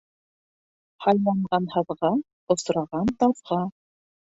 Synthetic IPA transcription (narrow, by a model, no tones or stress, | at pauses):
hɑlʲmɑɴɢɑnhɤ̆ðʁɑ | ŏsɾɑʁɑnt̪ɑðʁɑ